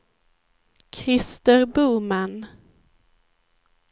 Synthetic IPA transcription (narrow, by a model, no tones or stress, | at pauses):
kʰɾɪst̪əɾbuːman